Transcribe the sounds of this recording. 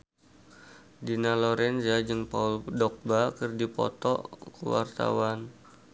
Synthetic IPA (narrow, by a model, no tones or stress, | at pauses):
dinalɔɾɛnzad͡ʒɨŋpa̰uldɔk̚bakərdipɔ̰t̪ɔ̰kəwa̰rt̪a̰wan